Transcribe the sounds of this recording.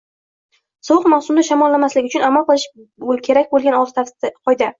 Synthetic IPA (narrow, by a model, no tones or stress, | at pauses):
sɒwɨqmawsʊmd̪aʃamɒlːamaslɪɡʲʊt͡ʃʊnamalˠqɨlˠɪʃbokʲʰe̞ɾakʲbolˠɡʲanɒʁz̥t̪ʰqʰɒjd̪a